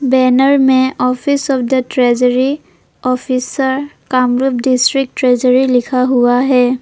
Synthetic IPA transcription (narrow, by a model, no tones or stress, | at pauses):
bɛːnəɾmẽɔpʰɪsɔpʰd̪əʈɾɛd͡ʒəɾi | ɔpʰisəɾkaːmɾupɖɪsʈɾɪk̚ʈɾɛːd͡ʒəɾilɪkʰaɦuaɦɛː